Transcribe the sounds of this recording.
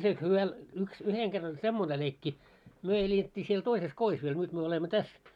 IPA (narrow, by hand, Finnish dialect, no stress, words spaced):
siel hyʋæ yks yheŋ kerː olʲ semːone leikːi myø eletʲːi siel toises kois ʋiel nyt myø olemːo tæs